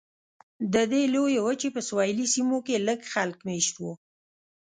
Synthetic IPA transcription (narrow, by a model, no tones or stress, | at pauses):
d̪əd̪elojewət͡ʃepəswɑjlisimokeləɡxalkmeʃt̪wo